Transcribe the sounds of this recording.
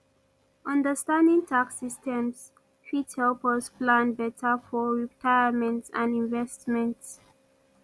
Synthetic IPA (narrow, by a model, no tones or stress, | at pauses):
ʔʌ̃ndəstãndĩŋtʰaksistɛ̃ms | fithɛlpəsplãnbɛtʰəfɔɹitʰaɪəmɛ̃ntsãnĩnvɛstmɛ̃nts